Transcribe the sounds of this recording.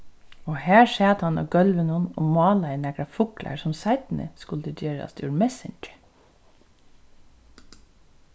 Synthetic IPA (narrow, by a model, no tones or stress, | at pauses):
oːhæːʃeːt̪hɑnɔ̰ɡœlʋənunɔ̰ːmɑːlɑɪnɛkɾɑfʊklʔæ̰ɹsɔmsæɪt̪nə̰skʉld̪əd̪eːɹɑ̰sd̪ʰṵːɹmɛsɪnd͡ʒə